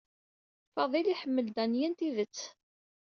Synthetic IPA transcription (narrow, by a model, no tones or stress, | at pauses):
fɑðˤiliħəmːəld̪ænjənt̪iðət͡sː